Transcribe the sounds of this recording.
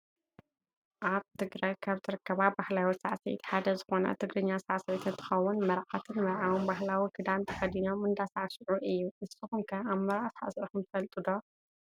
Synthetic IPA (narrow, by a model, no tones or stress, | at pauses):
ʔaβt̪ʰɨɡɾajkʰaβt̪ʰɨɾɨkːɐβabahlawisaʕsɐḭt̪ħad̪ɐzɨxo̞nɐ̰t̪ʰɨɡɾɨɲːasaʕsɐʕit̪ʰɨnt̪ʰɨ̥xɐwːʊnmɐɾʕat̪ʰɨnmɐɾʕawonbaɦlawikʰɨd̪amt̪ʰɐxɐd̪ino̞mɨnd̪asaʕsɨʕuʔɨjːuʔɨsɨxuŋkʰɐaβmɐɾʕasaʕasʔuxɐmt̪ʰɨfɐlt̪ʼɨd̪o